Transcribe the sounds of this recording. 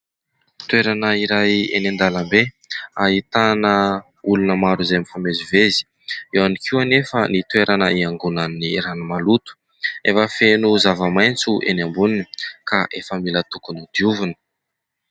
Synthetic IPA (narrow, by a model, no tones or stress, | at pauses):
t̪weɾanəiɾajḛnand̪alambe | ait̪anə | ulunəmaɾuzamifamezivezi̥ | ewanikʰiwanefənit̪weɾanəiaŋɡunanːiɾanumalut̪u̥ | efəfenuzavəmajnt͡suʔḛnambuninikaʔefəmilət̪ukunid̪̥iuvunə̥